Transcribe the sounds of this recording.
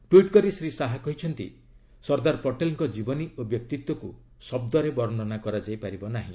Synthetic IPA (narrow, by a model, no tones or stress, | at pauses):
ʈwiʈkɔɾisɾisaɦakɔɦit͡ʃʰɔnt̪ḭ | sɔɾd̪aɾpɔʈelŋkɔd͡ʒibɔniobjɔk̚t̪it̪wɔku | sɔb̚d̪ɔɾebɔɾnɔnakɔɾad͡ʒajpaɾibɔnaɦḭ̃